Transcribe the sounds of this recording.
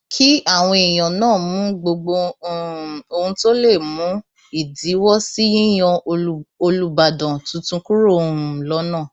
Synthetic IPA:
kʰi˦a˦˨w̃ɔ̃˧e˨j̃ɔ̃˨nãː˦˨mũ˨˦ɡ͡bo˧ɡ͡bo˧˦ | o˧hũ˧to˦le˦˨mũ˨˦ | i˦˨di˨˦wɔ˦si˦jĩ˦j̃ɔ̃˧o˧lu˦ba˧˨dɔ̃˨tũ˨˧˦tũ˧ku˦ɾõ˦˨lɔ˦nãː˦˨

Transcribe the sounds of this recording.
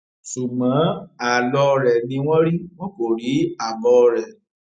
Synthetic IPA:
ʃu˨ɡ͡bã˨˦a˨lɔ˧ɾɛ˨nĩ˧w̃ɔ̃˦ɾi˦w̃ɔ̃˦ko˨ɾi˨˦a˦˨bɔ˧ɾɛ˨

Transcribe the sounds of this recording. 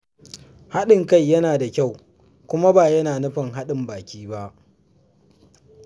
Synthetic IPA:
ha˦ɗɪ˨ŋka˦˨jːɐ˦naː˨da˨kʲa˦˨w | kʷʊ˦ma˦baː˨jɐ˦naː˨nʊ˦ɸɐ˨ŋɦa˦ɗɪ˨mbaː˨kʲiː˦ba˦ʔ

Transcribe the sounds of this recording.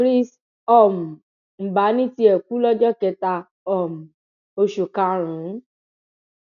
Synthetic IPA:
ɾi˦s | ɔ˦˨m̩˨ | m̩˨ba˨˦nĩ˦ti˧˦ɛ˨ku˨˦lɔ˦d͡ʒɔ˦kɛ˧ta˧ | ɔ˨mũ˨ | o˧ʃu˨kã˧ɾ̃ũ˨˦

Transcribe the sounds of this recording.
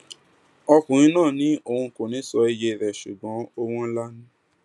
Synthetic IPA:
ɔ˧kũ˨ɾ̃ĩ˧˦nãː˦˨nĩ˨˦ʔo˧hũ˧ko˨nĩ˨˦sɔ˧i˧je˧˨ɾɛ˨ʃu˨ɡ͡bɔ̃˨˦o˧w̃ɔ̃˦n̩˦la˦nũ˦

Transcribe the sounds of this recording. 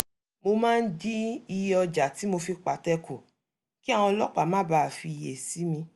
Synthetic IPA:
mo˧mãː˦˧n̩˦di˦i˧jɔ˧d͡ʒa˨ti˨˦mo˧fi˧k͡pa˨tɛ˦˧kʰo˨ | ki˦a˨w̃ɔ̃˧lɔ˦k͡pa˨mãː˦ba˦˨fi˧˨je˨si˨˦mĩ˧

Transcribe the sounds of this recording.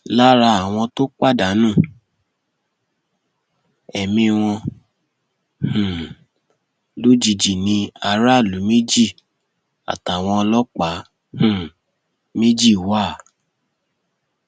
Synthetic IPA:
la˦ɾa˧a˨w̃ɔ̃˧to˦k͡pa˦˨da˨˦nũ˦˨ | ɛ˨mĩ˧w̃ɔ̃˧ | hũ˨ | lo˦d͡ʒi˧˨d͡ʒi˨nĩ˧˦a˧ɾa˦˨lu˨˦me˦d͡ʒi˦˨ | a̰˨ta˨w̃ɔ̃˧ɔ˧lɔ˦k͡pa˨˦ | hũ˦˨ | me˦d͡ʒi˦˨wa˦˨

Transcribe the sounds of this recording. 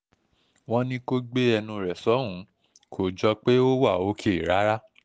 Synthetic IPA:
w̃ɔ̃˦nĩ˦ko˦ɡ͡be˦ɛ˧nũ˧ɾɛ˨sɔ˨˦ɦũ˨˦ | kʰo˨d͡ʒɔ˧k͡pe˦o˦wa˦˨o˨˦kʰe˦˨ɾa˨˦ɾa˦

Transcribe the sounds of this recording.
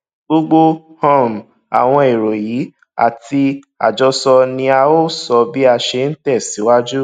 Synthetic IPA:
ɡ͡bo˦ɡ͡bo˦ | hɔ̃˦ɾm̩˨ | a̰˨w̃ɔ̃˧e˨ɾo˨ji˨˦ | a̰˨ti˧ | a̰˨d͡ʒɔ˧sɔ˧nĩ˧a˧o˦sɔ˧bi˦a˧ʃe˧n̩˦tɛ˦˨si˨˦wa˦d͡ʒu˦

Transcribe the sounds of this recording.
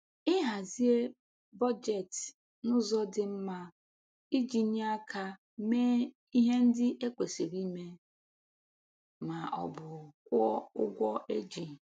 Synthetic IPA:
ɪ˦ɦa˨zi˦e˦ | bɔ˦d͡ʒe˨t | nʊ˦zɔ˦dɪ˨m̩˦ma˦ | i˦d͡ʒi˦n˦a˦kʰa˦ | meː˦ | i˦ɦe˦n̩˦dɪ˦ʔe˦kʷe˨se˨ɾi˦me˦ | ma˨ʔɔ̰˨bʊ˨kʷɔ˦ʊ̰˦ɡʷɔ˦e˦d͡ʒi˨n˨

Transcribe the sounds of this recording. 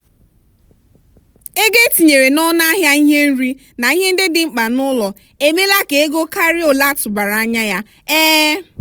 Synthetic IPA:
e˦ɡe˦ti˨ɲe˨ɾe˨nɔ˦na˦ɦja˦i˦ɦe˦n̩˦ɾi˦ | na˨i˦ɦe˦n̩˦dɪ˦dɪ˨ŋ͡m̩˦k͡pa˨nʊ˦lɔ˨ | e˦me˦la˦ke˨e˦ɡo˦ka˦ɾɪ˦o˨la˦tʊ˨ba˨ɾa˨a˦ɲa˦ja˦ | ɛː˦

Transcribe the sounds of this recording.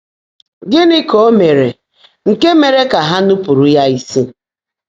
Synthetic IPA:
ɡɪ˦nɪ˦ko˦me˨ɾe˨ | ŋ̩˨ke˦me˨ɾe˦ka˨ɦa˦nʊ˦pu˨ɾu˨ja˦i˦si˦

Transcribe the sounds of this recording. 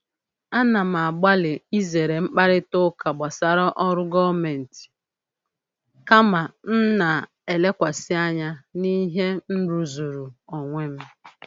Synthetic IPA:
a˦na˨m̩˨a˨ɡ͡ba˦lɪ˨i˦ze˨ɾe˨ŋ͡m̩˦k͡pa˦ɾɪ˦tʊ˦ka˨ɡ͡ba˨sa˦ɾɔ˦ʔɔ˦ɾʊ˦ɡɔ˦me˨n̩˨ti̥˨ | ka˦ma˨n̩˦na˨ | e˨le˦kʷa˨sɪ˦a˦ɲa˦ni˦ɦe˦n̩˦ɾu˨zu˨ɾu˨ɔ˨ŋʷe˦m̩˦

